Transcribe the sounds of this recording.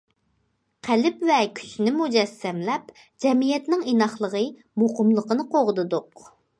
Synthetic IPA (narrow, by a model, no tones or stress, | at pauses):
qʰælɪpvɛkʲʰy̥t͡ʃnɪmud͡ʒɛsːɛmlɛp | d͡ʒɛmijɛt̪nɪŋenɑχlˠəʁə | moqəmlˠəqənɨqʰoʁd̪ɨd̪ʊq